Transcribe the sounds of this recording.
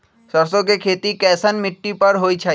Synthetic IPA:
səɾsokekʰet̪ikɛːsənmiʈːipəɾɦojt͡ʃʰa

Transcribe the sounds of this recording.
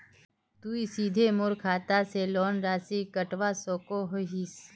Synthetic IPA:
t̪uːisiːd̪ʱemʊɾkʰaːt̪aseloːnɾaːsikəʈʋasoːkoɦoɦis

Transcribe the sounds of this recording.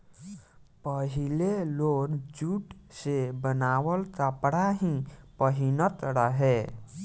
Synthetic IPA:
pəɦɪleloːɾd͡ʒuːʈsebənaːwəlt̪apɽaɦĩpəɦinət̪ɾəɦɛː

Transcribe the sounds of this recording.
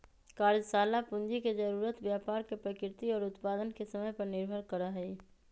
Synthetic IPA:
kaːɾd͡ʒsaːlapʊ̃nd͡ʒiked͡ʒəɾuːɾət̪bjaːpaːɾkepɾəkɾɪt̪iɔːɾʊt̪paːd̪ənkesəməjpɐɾnɪɾbʱəɾkəɾaɦɛ

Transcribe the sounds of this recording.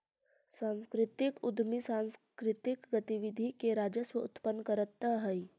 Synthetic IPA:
sãnskɾɪt̪ɪkʊd̪ʱmisãnskɾɪt̪ɪkɡɐt̪iʋid̪ʱikeɾaːd͡ʒəswəut̪pənːkəɾət̪ːəɦəi

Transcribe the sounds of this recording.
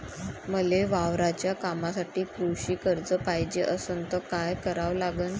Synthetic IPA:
məleʋaʋɾat͡ɕjakamasaʈiːkɾuɕiːkəɾd͡zəpajd͡ʑeʔəsənt̪əkajkəɾaʋlaɡən

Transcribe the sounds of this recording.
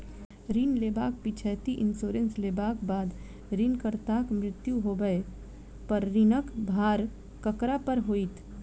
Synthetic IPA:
ɾiːnleːbaːk̚pit͡ʃʰɛːt̪iʔɪnsoːɾẽnsleːbaːkbaːd̪ | ɾiːnkəɾt̪aːkmɾɪt̪juɦoːɡəe | pəɾːɪnəkbʱaːɾ | kəkɾapəɾɦoːit̪ʰ

